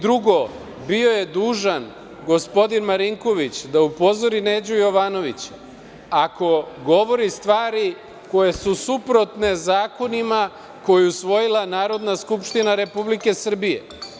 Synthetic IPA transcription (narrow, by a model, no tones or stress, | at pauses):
d̪ɾuɡo̞ | bio̞je̞d̪uːʒan | ɡo̞spo̞d̪inmaɾiŋko̞ʋit͡ɕd̪aupo̞zo̞ɾine̞d͡ʑujo̞ʋano̞ʋit͡ɕ | ako̞ɡo̞ʋo̞ɾist̪ʋaːɾi | ko̞jesusupɾo̞t̪ne̞zaːko̞nima | ko̞jeusʋo̞jilˠanaːɾo̞d̪naskupʃt̪inaɾe̞publike̞sr̩bije̞̰